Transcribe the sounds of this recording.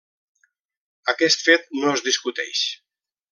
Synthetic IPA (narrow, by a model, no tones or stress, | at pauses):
akɛst̪fet̪̚noəzðiskut̪ɛ̰ʃ